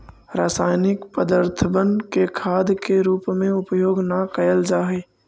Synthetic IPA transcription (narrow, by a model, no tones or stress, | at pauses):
ɾaːsaːjnɪkpəd̪əɾt̪ʰəbənkekʰaːd̪keɾuːpmẽʊpəjoːɡnakəjəld͡ʒaːɦeː